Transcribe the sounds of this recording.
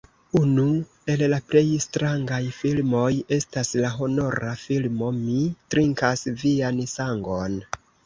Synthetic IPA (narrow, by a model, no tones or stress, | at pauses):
unu | e̞llaple̞jstɾaŋɡajfilmo̞je̞staslaɦo̞no̞ɾafilmo̞mitɾiŋkasviansaŋɡo̞n